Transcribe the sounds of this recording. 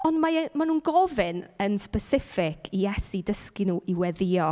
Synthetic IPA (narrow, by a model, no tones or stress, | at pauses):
ɔndmaɛmanũːnɡɔvɪnənspɛsɪfɪkʰijɛsidəskinuːʔiwɛðɪɔ